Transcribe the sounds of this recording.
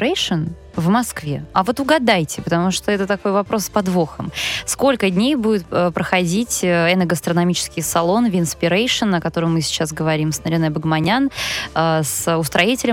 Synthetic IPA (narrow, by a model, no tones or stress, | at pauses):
ejʂɨn | vmɐskvʲe̞ɐvo̞t̪ʊɡɐd̪ajtʲɪpət̪ɐmuʂt̪oɛt̪ət̪ɐko̞jvɐpɾo̞spɐd̪voxəmsko̞lʲkədʲnʲejbudʲɪt̪̚ːpɾəxɐdʲitʲɛnəɡəst̪ɾənɐmʲit͡ɕɪ̥skʲɪjsɐlˠo̞nvʲɪnspʲɪɾejʂɨnəkɐt̪o̞ɾəmmːɨsʲɪ̥t͡ɕas̬ɡəvɐɾʲimsnəɾʲɪnojbəɡmɐnʲanasʊst̪ɾɐitʲɪlʲɪ